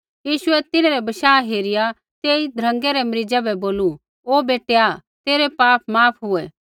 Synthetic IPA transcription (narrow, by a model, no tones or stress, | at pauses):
jiːʃʊɛt̪ɪneɾɛbɐʃaːɦeːɾɪja | t̪eːid̪ʱɾɐ̃ŋɡɛɾɛmɐɾɪd͡ʒɛbɛboːlu | oːbeːʈeat̪eːɾɛpaːpʰmaːpʰɦʊɛ